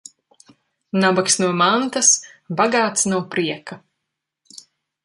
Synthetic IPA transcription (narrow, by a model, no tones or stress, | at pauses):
nabaksnuɔmant̪asbaɡaːt̪snuɔpɾiɛka